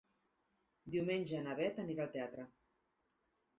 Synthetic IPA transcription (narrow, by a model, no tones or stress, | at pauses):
d̪iwmenʲʒəːnaβɛt̪əniɾalˠt̪eat̪ɾə